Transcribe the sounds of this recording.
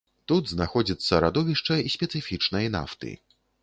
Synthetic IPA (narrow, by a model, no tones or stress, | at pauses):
t̪ud̪znaxɔd͡zʲit̪sːɐɾad̪ɔvʲiʂt͡ʂɐisʲpʲɛt̪sɨfʲit͡ʂnɐjna̰ft̪ɨ̰